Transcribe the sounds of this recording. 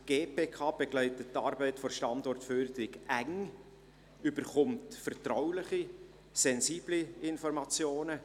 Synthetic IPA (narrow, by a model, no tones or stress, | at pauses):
ɡ̥eːpʰeːkʰɑːb̥eɡlɛɪtətːɑːɾbɛɪtfɔrʃtɑndɔrtfyːɾd̪əɾɪɡʔæŋ | ybəɾχʊmtfɛrtrɔwlɪχi | sɛnsiːbliɪnfɔɾmɑt͡sjoːnə